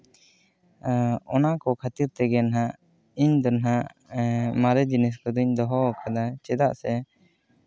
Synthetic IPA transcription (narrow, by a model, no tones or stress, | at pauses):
ɔnakɔkʰat̪iɾt̪ɛɡɛnaɦaʔ | iɲd̪ɔnɦaʔ | maɾɛd͡ʒinɛs̬kɔd̪uɲd̪ɔɦɔkʰad̪at͡ʃɛd̪aʔsɛ